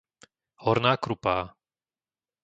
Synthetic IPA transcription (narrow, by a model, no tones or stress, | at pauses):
hɔɾnaːkɾupaː